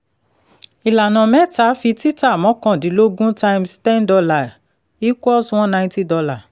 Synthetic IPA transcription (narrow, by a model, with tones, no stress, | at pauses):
i˨la˨nã˨mɛ˦ta˨˦fi˧ti˦ta˦˨mɔ̃˨˦kã˦˨di˨˦lo˦ɡũ˦ta˧i˧mstɛ̃˦ndɔ˧la˨ | i˦kʷɔ˦sw̃ɔ̃˦nã˧ĩ˦ti˦dɔ˧la˨